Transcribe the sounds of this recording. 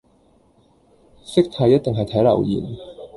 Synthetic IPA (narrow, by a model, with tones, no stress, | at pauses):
sɪ˥k̚t̪ʰɐ˨˥jɐ˥t̚t̪e˨ŋɦɐ˨jt̪ʰɐ˨˥jlɐ˨˩wjḭː˨˩n